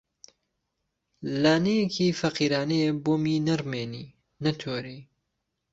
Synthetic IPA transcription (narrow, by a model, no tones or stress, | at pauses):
laːnɐjekʰiːfɐqiːɾaːnɐjeboːminɐɾmeːni | nɐt̪ʰoːɾiː